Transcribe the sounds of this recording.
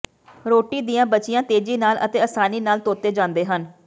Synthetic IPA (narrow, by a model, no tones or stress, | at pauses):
ɾoːʈiːd̪ijãːbət͡ʃɪjãːt̪eːd͡ʒiːnaːlə̰t̪eːəsaːniːnaːlt̪oːt̪eːd͡ʒãːnd̪eːɦən